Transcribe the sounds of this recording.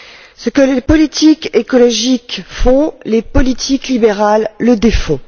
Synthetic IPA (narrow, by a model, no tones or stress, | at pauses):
səkəlepɔlit̪ʰikekɔlɔʒikfɔ̃lepɔlit̪ʰiklibeʁalːəd̪efɔ̃